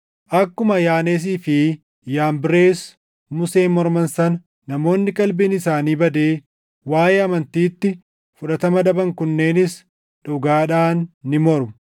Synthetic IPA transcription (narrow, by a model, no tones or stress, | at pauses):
ʔɐkːʊmɐjaːneːs̬iːfɪ | jaːmbɪɾe̞ːs | mʊseːmːɔɾmɐnsɐn | nɐmo̞ːnːɪkʼɐlbiːnɪsaːniːbɐd̪e̞ː | waːjeːɐmɐnt̪iːt̪ːɪ | fʊᶑɐt̪ɐmɐd̪ɐbɐŋkʊnːe̞ːnɪs | ᶑʊɡaːᶑaːnːɪmɔɾʊm